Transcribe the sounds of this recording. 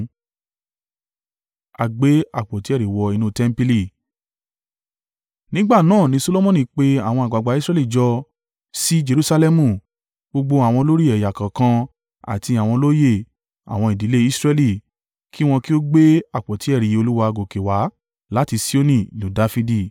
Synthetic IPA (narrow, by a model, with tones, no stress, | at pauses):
a˨ɡ͡be˦a˦˨k͡pɔ˨ti˨˦ɛ˦˨ɾi˨wɔ˨i˧nũ˦tɛ˦m̩˦pi˧li˦˨ | nĩ˦ɡ͡ba˦˨nãː˦˨nĩ˧˦so˧lo˦mɔ̃˦nĩ˧k͡pe˦a˦˨w̃ɔ̃˧a˨ɡ͡ba˨ɡ͡ba˨˦i˦sɾɛ˦li˦˨d͡ʒɔ˧ | si˦d͡ʒe˧ɾu˦sa˧lɛ˦mũ˦˨ | ɡ͡bo˧ɡ͡bo˧a˨w̃ɔ̃˧lo˦ɾi˦ɛ˨ja˨kã˨kã˧ | a̰˨ti˧a˨w̃ɔ̃˧lo˦je˦˨ | a̰˨w̃ɔ̃˧i˨di˨˦le˦i˦sɾɛ˧li˦˨ | ki˦w̃ɔ̃˧ki˦o˦ɡ͡be˦a˦˨k͡pɔ˨ti˨˦ɛ˦˨ɾi˨jo˧lu˦wa˧ɡo˨ke˨wa˨˦ | la˦ti˧si˦o˦nĩ˦˧˨nũ˨˦da˧˦fi˧di˦˨